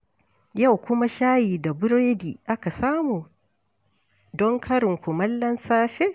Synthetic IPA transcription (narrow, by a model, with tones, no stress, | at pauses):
ja˦˨wkʷʊ˦ma˦ʃaː˦jiː˨da˨bʊ˦ɾeː˦diː˨ʔa˦ka˨saː˦muː˨ | dɔ˦ŋkʰɐ˦ɾɪ˨ŋkʷʊ˨mɐ˦lːɐ˦nsaː˦ɸe˦